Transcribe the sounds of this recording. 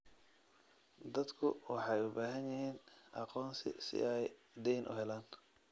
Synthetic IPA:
d̪ɐd̪kʰʊwɑħɑjʊbaːɦɐnjɪɦiːnʔɑqɔːnsɪ̰sɪ̰ʔɛj | d̪ɛjnʔʊ̰ɦɛlaːn

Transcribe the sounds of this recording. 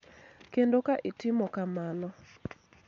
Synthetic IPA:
kendokaʔɪtɪmɔkamanɔ

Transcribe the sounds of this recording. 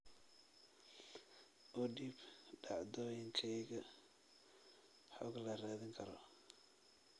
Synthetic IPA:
ʔɔɖiːbɖɑʕd̪ɔːjɪnt͡ʃʰɛjɣɐ | ħɔɡlɐraːðɪŋkʰɐɾɔ

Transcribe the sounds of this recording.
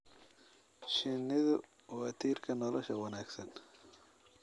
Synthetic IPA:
ʃɪnɪðʊ | wat̪ʰiːɾkʰɐnɔlɔʃɐwɐnaːɡsɐn

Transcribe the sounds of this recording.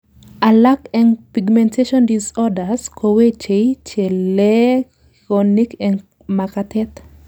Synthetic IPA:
alakɛnpiɡmɛ̃ntʰeʃɔndisɔdaskʰowet͡ʃejt͡ʃele | kɔnikɛn | makatɛt

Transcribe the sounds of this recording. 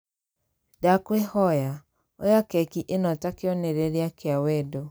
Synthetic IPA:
dakwehɔja | ojakɛkiʔenɔtakeɔneɾeɾeakeawɛdo

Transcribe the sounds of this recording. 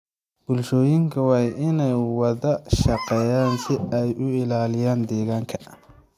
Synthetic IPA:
b̥ʊlʃɔːjɪŋkʰɐwɑːʔɪnɛjwɐðɐʃɐqɛːjaːnsɪɛjʔʊɪlaːlɪjaːnd̪ɛːɣaːŋkʰɐ̥

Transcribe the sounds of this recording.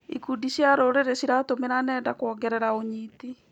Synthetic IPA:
ikudiɕjaɾoɾeɾeɕiɾatomeɾanɛːndakwɔːɡɛɾɛɾaoɲiːti

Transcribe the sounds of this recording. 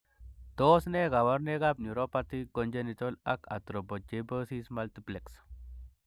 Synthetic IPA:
d̪osneɣawaɾneɣab̚nuɾopat̪ikond͡ʒenit̪olaka̰t̪ɾobod͡ʒebəsismalt̪ipleks

